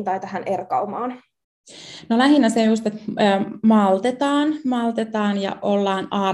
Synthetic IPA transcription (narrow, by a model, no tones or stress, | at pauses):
nt̪ɑjt̪æhænʔerkɑumɑːn | nolæɦinːæseust̪et̪ːmɑlt̪et̪ɑːnmɑlt̪et̪ɑːnjɑ̰ʔolːɑːnɑː